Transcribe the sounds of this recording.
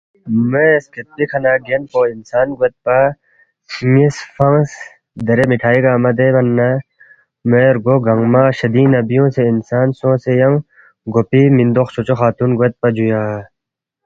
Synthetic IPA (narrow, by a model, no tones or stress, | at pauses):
mesket̪̚pikʰɐnaːɡenpoinsaːnɡet̪̚pɐ | sŋisfɐŋs | d̪ɐɾemiʈʰaːiɡaːmɐd̪ebɐnːɐ | meːɾɡoɡɐŋɡmaɕɐd̪iːnɐbijõːseinsaːnsõːsejɐŋ | ɡopimĩnd̪oxt͡ʃʰot͡ɕoxaːt̪unɡet̪̚pɐd͡ʑujaː